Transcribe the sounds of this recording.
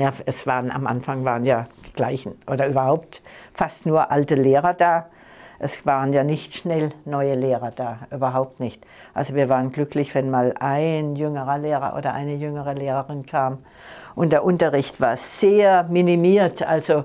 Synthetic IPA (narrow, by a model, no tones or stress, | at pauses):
jaːɛsv̥aːʁəna̰mʔa̰nfaŋvaːʁənjaːd̥iːɡ̥laɪçn̩ʔoːdɐʔyːbɐɦaʊp̚tfastnuːɐʔaltəleːʁɐdaː | ʔɛsv̥aːʁ̞ənjaːnɪçtʃnɛlnɔʏəleːʁɐd̥aːʔyːbɐɦaʊp̚tnɪçt | ʔalzoviːɐvaːʁənɡlʏklɪçv̥ɛnmaːlʔaɪnjʏŋəʁɐleːʁɐ̰ʔo̰ːdɐʔa̰ɪnəjʏŋəʁəleːʁəʁɪnkʰaːm | ʔʊntd̥eːɐʔʊntɐʁɪçtv̥aːɐz̥eːɐminimiːɐtʔa̰lzo